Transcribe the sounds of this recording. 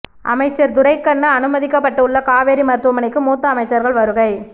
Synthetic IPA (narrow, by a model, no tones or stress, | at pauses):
ʔɐ̰mɐɪt͡ʃːɐɾd̪ʊɾɐɪkːɐɳːɯɐnɯmɐðɪkːɐpːɐʈːɯɯɭːɐkaːʋeːɾimɐɾɯt̪ːɯʋɐmɐnɪkːɯmuːt̪ːɐːmɐɪt͡ʃːɐɾɣɐɭʋɐɾɯɣɐɪ